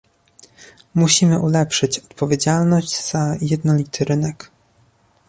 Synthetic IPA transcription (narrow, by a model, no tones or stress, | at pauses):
muɕimɘʔulɛpʂɘt͡ɕɔt̪pɔvʲjed͡ʑalnɔʑt͡ɕz̥ajɛd̪nɔlʲit̪ʰɘɾɘnɛk